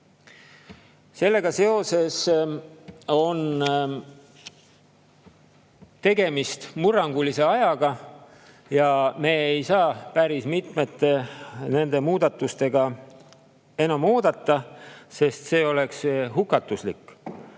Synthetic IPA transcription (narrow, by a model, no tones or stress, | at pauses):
se̞lːe̞ɡ̥ɑse̞o̞se̞s | o̞n | t̪e̞ɡe̞mist̪murːɑŋɡ̥ulise̞ɑjɑɡ̥ɑ | jɑme̞ːejsɑːpæɾismit̪me̞t̪ːe̞ne̞nd̪e̞muːd̪̥ɑt̪ːˑust̪e̞ɡɑ | e̞nɑmːoːd̪̥ɑt̪ːɑse̞st̪se̞ːo̞le̞ksɦukːˑɑt̪ːˑuslikːˑ